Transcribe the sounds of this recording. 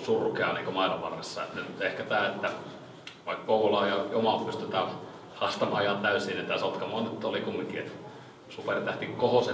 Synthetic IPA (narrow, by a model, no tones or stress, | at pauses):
surukeɑ̰nḭːŋkomɑilɑ̰ʋʋɑ̰rːesːɑḛt̪nynyt̪ehkæt̪æːet̪ːæ | ʋɑikkoulɑːjɑjomɑlpyst̪yt̪æ | hɑst̪ɑmɑɑjɑnt̪æysiːnit̪æsolt̪kɑmonet̪ːolikumːiŋkiḛt̪ | supert̪æht̪ikkohose